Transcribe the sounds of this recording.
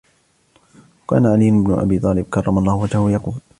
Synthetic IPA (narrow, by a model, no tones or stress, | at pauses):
ka̰ːnaʕalijʊnɪbnʊ̰ʔa̰biːt̪ˤɑːlɪb̚kɑrˤːɑmɑlˤːɑːhʊwad͡ʒahʊjɑquːl